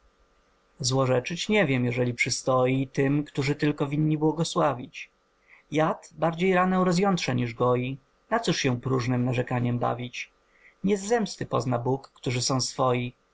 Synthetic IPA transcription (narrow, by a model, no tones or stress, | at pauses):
zwɔʐɛt͡ʂɘt͡ɕɲɛvʲjɛmjɛʐɛlʲipʂɘst̪ɔjit̪ɘmkt̪uʐɘt̪ɘlkɔvʲiɲːibwɔɡɔswavʲit͡ɕ | jat̪baɾd͡ʑejɾanɛw̃ɾɔzjɔnt̪ʂɛɲiʐɡɔji | nat̪sɔʂɕɛ̃pɾuʐnɘmnaʐɛkaɲɛmba̰vʲit͡ɕ | ɲɛzːɛmst̪ɘpɔ̰znabukːt̪uʐɘsɔ̃w̃sfɔji